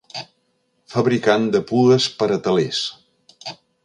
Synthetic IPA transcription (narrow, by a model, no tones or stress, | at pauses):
fəβɾikand̪əpuðəspəɾət̪əles